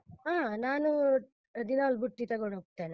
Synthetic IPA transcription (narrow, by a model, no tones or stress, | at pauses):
ɦaːnaːnu | d̪inɐolbuʈːit̪ɐɡoɳɦoːɡ̚t̪ːeːne